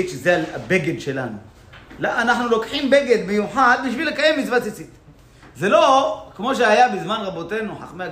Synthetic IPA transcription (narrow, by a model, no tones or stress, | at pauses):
it̪ʃezeaa̰be̞ɡed̪ʃe̞la̰nu | laanaħnulo̞kħimbe̞ɡe̞d̪mejuħad̪̚biʃvilekaje̞mːit͡svat͡sit͡sit̪ | zelo̞kmo̞ʃ̬eajabizmanʁabo̞t̪e̞nuħa̰χmea